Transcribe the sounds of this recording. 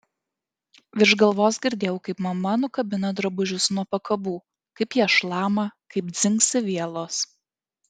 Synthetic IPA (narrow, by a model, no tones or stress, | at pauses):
ʋʲɪɾʒɡɐlˠʋoːsɡʲɪɾʲd̪ʲeːjɛʊkɐɪpmɐmɐnʊkɐbʲɪnɐd̪ɾɐbʊʒʲʊsnuɔpɐkɐbuː | kɐɪpjiɛʃlˠɑːmɐkɐɪp̚d̪zʲɪŋksʲɪʋʲiɛlˠoːs